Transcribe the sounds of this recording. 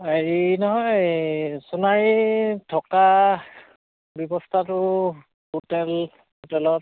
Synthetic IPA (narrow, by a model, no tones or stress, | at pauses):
eɹinɔɦɔj | sunaɹitʰɔka | bjɔbɔstʰatʊ | ɦotɛl | hotɛlɔt̚